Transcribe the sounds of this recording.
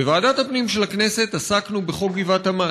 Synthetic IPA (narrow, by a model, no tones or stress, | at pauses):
evaːdathapnimʃe̞lakne̞se̞t̪asaknubeχoɡivathama